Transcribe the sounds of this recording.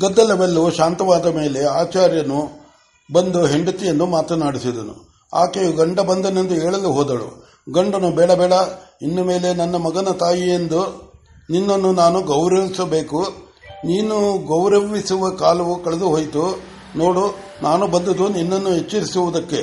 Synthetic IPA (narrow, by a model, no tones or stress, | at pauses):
d̪ɐd̪ːɐlɐʋelːuʃaːnt̪ɐʋaːd̪ɐme̞ːle̞aːt͡ʃaːɾjɐnu | bɐnd̪uɦe̞ɳɖut̪ːijenːumaːt̪ɐnaːɽisid̪ɐnṵ | a̰ːkeːɡɐɳɖɐbɐnd̪ɐnend̪uɦeːɭɐlːuɦɔːd̪ɐɭṵ | ɡɐɳɖɐnubɛːɭɐbɛːɭɐinːɐme̞ːle̞nɐnːɐmɐɡɐnɐt̪aːjijend̪u | ninːɐnːunaːnuɡɐwɾɐʋisɐbe̞ːku | niːnuɡɐwɾɐʋisuʋɐkaːlɐʋukɐɭɐd̪uɦoːjt̪u | no̞ːɽu | nʔaːnubɐnd̪ɐd̪uninːɐnːuɦet͡ʃːɐɾisuʋud̪ɐkːe̞